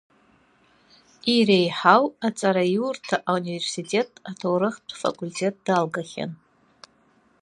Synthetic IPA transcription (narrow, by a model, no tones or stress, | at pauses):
iɾejħawat͡sʼaɾajurtʰaʔaunive̞rsitʰʼe̞tʰʼatʰowɾɨχtʷʰfa̰kʼultʰe̞t̚ʼd̥alɡaχʲa̰n